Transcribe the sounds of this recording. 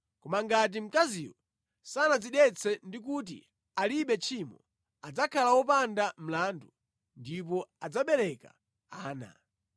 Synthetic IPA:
kɔmaŋɡat̬im̩kaziwɔ | sanaziɗɛt͡sʰɛndik̬ut̬ḭ | aliɓɛt͡ʃʰimɔ | ad͡zakʰalawɔpandam̩laːndu | ndipɔad͡zaɓɛɾɛka̰ | aːna̰

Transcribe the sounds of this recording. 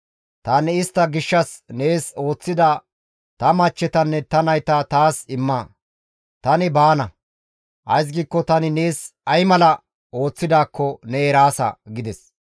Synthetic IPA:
t̪ɐnɛɪst̪ːɐɡɪʃːɐsne̞ːso̞ːt͡sːɪd̪ɐ | t̪ɐmɐt͡ʃːɛt̪ɐnːɛt̪ɐnɐjt̪ɐt̪aːsɪmːɐ | t̪ɐnɪbaːnɐ | ʔɐ̰js̬ɡiːkːɔt̪ɐnɪne̞ːsɐjmɐlɐ | o̞ːt͡sːɪd̪aːkːɔnɛɛɾaːsɐ̰ɡɪd̪ɛs

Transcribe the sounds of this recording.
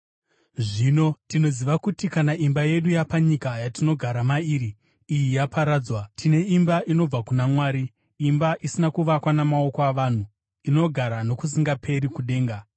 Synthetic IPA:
ʐino̞tino̞ziʋakutikanaʔimbaje̞ɗujapaɲikajatino̞ɡʱaɾamaiːɾiː | jijapaɾaːd͡zwatʰine̞imbaʔino̞b͡vakunamwaːɾi | imbaʔisinakuʋakwanamao̞koaʋan̤u | ino̞ɡʱaɾano̞kus̬iŋɡapʰe̞ɾikuɗe̞ːŋɡa

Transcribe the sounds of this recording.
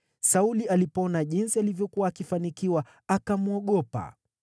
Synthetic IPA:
saulialipɔnaʄinsialivjɔkuwaːkifanikiwa | akamuɔɠɔpa̰

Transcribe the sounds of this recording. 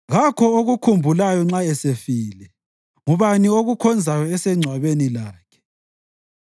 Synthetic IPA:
ɣakʰɔoɣukʰumbʱulajɔŋ͡ǁaɛsefiːlɛ | ŋuβanioɣukʰɔnd͡zʱajɔɛsɛŋ͡ǀʱwaβenilaːkʰɛ̥

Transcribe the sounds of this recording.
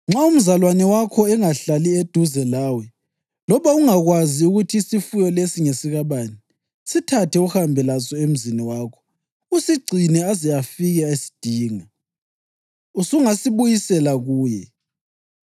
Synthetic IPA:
ŋ͡ǁaum̩zalwanɛwakʰɔɛŋaɬalied̥ʱuzɛlaːwɛ | lɔβauŋaɣwaziuɣutʰiːsifujɔlesiŋesiɣaβaːni | sitʰatʰɛuhambʱɛlasɔem̩ziniwaːkʰɔ̥ | usiɡ͡ǀʱinɛazijafiɣɛesi̥d̥ʱiːŋa | usuŋasiβujisɛlaɣuːjɛ̰

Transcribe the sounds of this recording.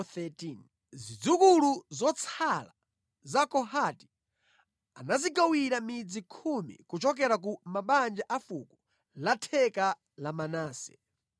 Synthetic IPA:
θɛtin | zid͡zukuluzɔt͡sʰala | zakɔɦati̥ | anazikawiɾamid͡zikʰumḭkut͡ʃɔk̬ɛɾak̬umaɓand͡ʒaʔafuku̥ | latʰɛka | lamanaːsɛ̥

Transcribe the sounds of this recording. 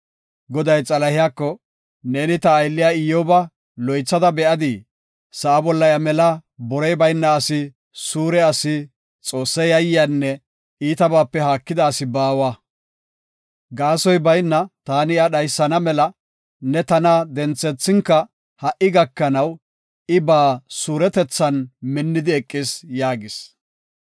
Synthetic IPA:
ɡɔd̪ɐjt͡sʼɐlɐhɪjaːkːɔ | neːnɪt̪ɐːjlːɪjaːɪjɔbɐ | lɔjt͡sːɐd̪ɐbɛʔɐd̪ɪ | sɐʔɐbɔlːɐjɐmɛlɐbɔɾɛjbɐjnːɐːsɪ | suːɾɛɐsɪ | t͡sʼo̞ːsːɐjɐjːɪjanːɛ | iːt̪ɐbaːpːɛɦaːkːɪd̪ɐːsɪbaːwa | ɡaːsɔjbɐjnːɐt̪aːnɪɐɗɐjsːɐnɐmɛlɐ | nɛt̪ɐnɐd̪ɛnt͡sːɛt͡sːɪŋkːɐ | hɐʔɪɡɐkːɐnɐw | ɪbaːsuːɾɛt̪ɛt͡sːɐnmɪnːɪd̪ɪɛkʼːɪsjaːɡɪs

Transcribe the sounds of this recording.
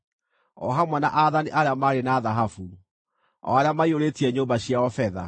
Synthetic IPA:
ɔ̰ɦamwanaʔaðaniʔaɾeamaːɾenaðaɦafu | ɔ̰aɾeamaioɾetiɛɲoːmbaɕiaɔfɛða̰

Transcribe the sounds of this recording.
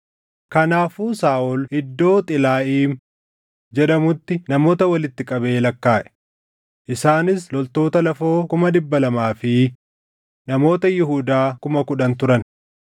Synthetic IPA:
kɐnaːfuːsaːʔɔlɪd̪ːo̞ːt̪ʼɪlaːʔiːm | d͡ʒɛᶑɐmʊt̪ːɪnɐmo̞ːt̪ɐwɐlɪt̪ːɪkʼɐbe̞ːlɐkːaːʔɛ̥ | ʔɪsaːnɪslɔlt̪o̞ːt̪ɐlɐfo̞ːkʊmɐd̪ɪbːɐlɐmaːfɪ | nɐmo̞ːt̪ɐjɪɦuːd̪aːkʊmɐkʊᶑɐnt̪ʊɾɐn

